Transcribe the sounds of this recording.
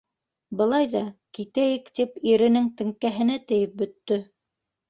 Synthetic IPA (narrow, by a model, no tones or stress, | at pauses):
bɤ̆lˠɑjðɑkit̪æjɘkt̪ipiɾɘ̆nɘŋt̪ɘ̆ŋkæɦɘ̆næt̪ɘ̆jɘp̚bɵ̆t̪ːɵ